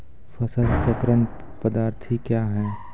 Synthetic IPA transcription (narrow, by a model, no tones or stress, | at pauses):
fɐsəd̪t͡ʃəkɾən | pəd̪aːɾt̪ʰikjaɦɛː